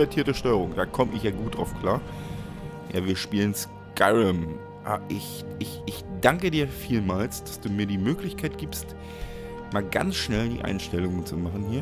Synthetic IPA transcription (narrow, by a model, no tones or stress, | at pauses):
ɛɐtʰiːɐtəʃtɔʏəʁʊŋd̥aːkʰɔməʔɪ̰çjaːɡuːtd̥ʁa̰ʊfkʰl̥aːɐ | ja̰ːviːɐʃpiːləns | kaɪʁəm | ʔa̰ːbɐʔɪç | ɪçɪçd̥aŋkədiːɐfiːlmaːlsd̥asd̥uːmiːɐdiːmøːklɪçkʰaɪt̚ɡ̥iːpst | maːlɡa̰nt͡sʃnɛldḭːʔa̰ɪnʃtɛlʊŋənt͡sumaχn̩hiːɐ